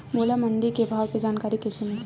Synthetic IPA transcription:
moːlaməɳɖikebʱaːwked͡ʒaːnkaːɾikesɪmt̪

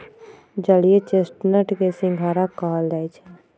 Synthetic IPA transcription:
d͡ʒəliet͡ʃesʈnəʈkesɪ̃ŋɡʱaːɾakaːld̪ait͡ʃʰa

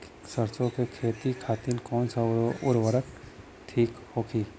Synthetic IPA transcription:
səɾt͡ʃõkekʰeːt̪ikʰaːt̪inkɔːnsaʊɾʋəɾək | ʈʰiːkhoːkʰiː

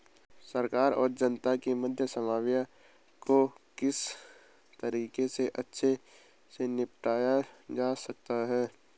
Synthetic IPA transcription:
səɾkaːɾɔ̰ːɾd͡ʒənt̪akiməd̪ʱjəsəmaːwja | kokɪs | t̪əɾiːkeseʔɐtːʃʰe | senɪpʈaːjad͡ʒaːsək̚t̪aɦɛː

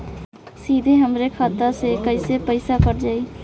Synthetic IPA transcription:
sid̪ʱeɦəmɾekʰət̪əsekəjsepəɪsakəɾd͡ʒai

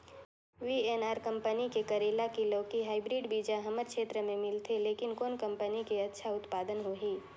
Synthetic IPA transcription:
ʋieːnaːɾkɐ̃mpənikekəɾeːlakiləːkiɦaːɪbɾiːɖbiːd͡ʒaɦɐməɾkʃʰeːt̪ɾəmẽmɪlt̪ʰeleːkɪnkoːnkɐ̃mpənikeɐtːʃʰaʊt̪paːd̪ənɦoɦiː

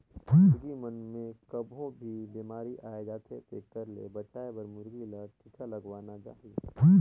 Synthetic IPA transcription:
ɾɡimənmẽkəbʱõbʱibiːmaːɾiʔaːed͡ʒaːt̪ʰet̪eːkəɾlḛbɐt͡ʃaːebɐɾmʊɾɡilət̪ʰɪk̪ʰalɐɡʋaːnad͡ʒa̰ːɦi

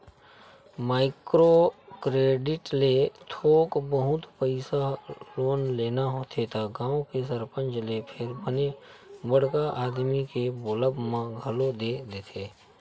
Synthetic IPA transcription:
maːɪkɾokɾeːɖɪʈlet̪ʰoːkbəɦʊt̪pəɪsaloːnleːnaɦoːt̪ʰet̪aɡãːõkes̬əɾpə̃nt͡ʃlepʰɪɾbənebəɽ̤kaʔaːd̪mikeboːləbmãɡʱəlod̪ed̪eːt̪ʰeː

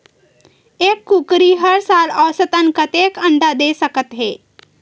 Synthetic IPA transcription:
eːkːukɾiːɦəɾsaːlɔʋsət̪ənkət̪eːkəɳd̪ad̪eːsəkət̪ɦeː

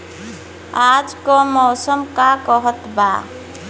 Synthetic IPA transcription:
ad͡ʒkɔmɔːsəmkakɔɦət̪ba̰

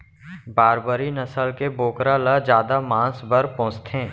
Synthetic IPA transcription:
baːɾbəɾinəsəlkeboːkɾaləd͡ʒjaːd̪amãːsbəɾpɔ̃ːt͡ʃt̪ʰẽː

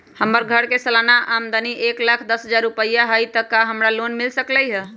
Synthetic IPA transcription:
həməɾɡʱəɽkesəlanaʔamd̪əniʔeklakʰd̪əsɦəd͡ʒaɾːupəjaɦəjt̪əkaɦəmɾalonmilsəkləjɦə

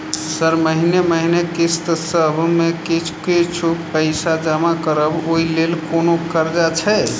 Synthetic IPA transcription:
səɾməɦineməɦinekist̪səbʱmekit͡ʃʰkit͡ʃʰupəɪsad͡ʒamakəɾəboilelkonokəɾd͡ʒat͡ʃʰɛ

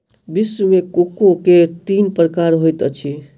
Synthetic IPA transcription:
bisːumekokõket̪inpɾəkaɾɦojt̪ət͡ʃʰi

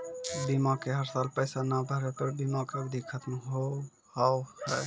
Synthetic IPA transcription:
bimakeɦəɾsalpəɪsanabʱəɾɛpəɾbimakəɡd̪ʱikʰət̪mɦo | hawhəj

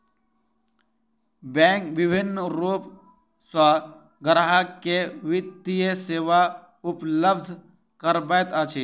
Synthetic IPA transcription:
bɛ̃ːŋkʋɪbʱɪnːɾuːp | sə | ɡɾɦakeʋɪt̪ːijəseːʋa | ʊpləbd̪ʱ | kəɾbəːt̪at͡ʃʰiː

